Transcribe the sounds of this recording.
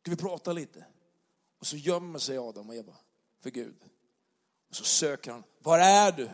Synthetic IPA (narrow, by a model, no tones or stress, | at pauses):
skavɪpʰɾɑːt̪aliːt̪ʰə | ɔsɔjœmːəʂɛjɑːd̪amɔjabɑ̰ | fœɾɡʉ̟̰ːd̪ | ɔsɔsøːkəɾhanvaɾæɖɵ